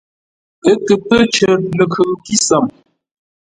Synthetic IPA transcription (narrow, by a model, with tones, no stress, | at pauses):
ə˨˦kə˨tə˦t͡ʃə˨lə˨kʰə˨˦ki˦sa˨m